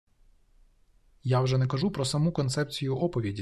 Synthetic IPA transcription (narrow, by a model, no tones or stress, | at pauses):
jawʒɛnɛkɐʒupɾɔsɐmukɔnt̪sɛpt͡sʲijʊʔɔpɔʋʲidʲi